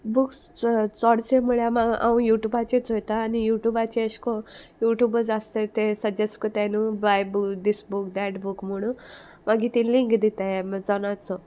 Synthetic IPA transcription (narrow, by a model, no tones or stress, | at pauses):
bukt͡sɔɽt͡semuɭjamaɡa̰ũjuʈjubat͡ɕet͡sɦojt̪aːnijuʈjubat͡ɕiəɕkojuʈjubəd͡zast̪et̪esəd͡ʑeskɔt̪anubajbud̪isbukd̪ɛʈbukm̤əɽ̃ũ | maɡit̪iliŋkd̪it̪aemd͡zɔnat͡sɔ